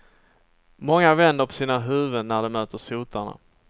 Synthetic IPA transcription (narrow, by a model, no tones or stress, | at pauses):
mɔŋːavɛnd̪əɾpʰɔ̥siːnaɦʉ̟ːvənæɖɛmøːt̪əʂuːt̪ʰaɳa̰